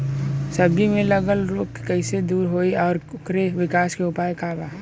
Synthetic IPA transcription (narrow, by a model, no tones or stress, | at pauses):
səbʱimẽləɡəlɾoːkkɐɪsed̪uːɾɦoːiɔːɾʊkɾeʋɪkaːskeʊpaːjekaːbaː